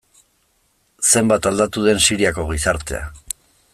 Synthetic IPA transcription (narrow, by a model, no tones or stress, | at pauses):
se̞mbat̪ald̪at̪uðe̞nsiɾiako̞ɣisaɾt̪e̞̰a̰